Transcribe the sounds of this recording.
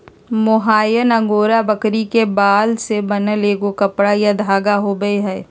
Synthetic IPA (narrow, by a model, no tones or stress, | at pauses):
mʊɦaːjənɐ̃ŋɡoːɾabɐkɾikebaːlsebɐnəleːɡokɐpɽajad̪ʱaːɡaɦoːɡɐeɦɛː